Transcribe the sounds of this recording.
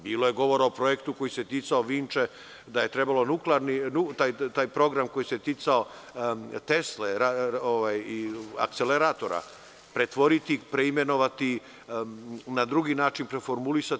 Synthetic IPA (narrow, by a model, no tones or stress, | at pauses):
biːlo̞jeɡo̞ʋo̞ɾaopɾo̞jekt̪uko̞jiset̪it̪saoʋiːnt͡ʃe | d̪aje̞t̪ɾe̞balo̞nukleaɾninut̪ajt̪aːjpɾo̞ɡɾamko̞jiset̪it̪sao̞ | t̪e̞sleɾaoʋajia̰k̚t̪seleɾaːt̪o̞ɾa̰ | pɾet̪ʋo̞ɾit̪ipɾeime̞no̞ʋat̪i | nad̪ɾuɡinaːt͡ʃinpɾefo̞ɾmulisa